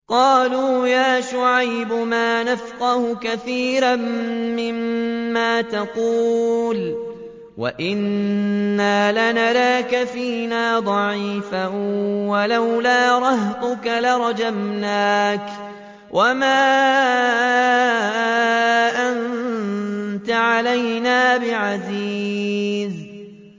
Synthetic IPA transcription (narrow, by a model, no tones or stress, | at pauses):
qɑːluːjaːʃʊʕajbʊmaːnafqɑhʊkaθiːɾamːɪmːaːt̪aquːl | wa̰ʔɪnː | aːlanaɾaːkaθiːnaːd̪ˤɑʕiːfawalawlaːɾˤɑht̪ʊkalaɾˤɑd͡ʒamnaːk | wʔamaː | ʔan | t̪aʕalajnaːbɪʕaziːz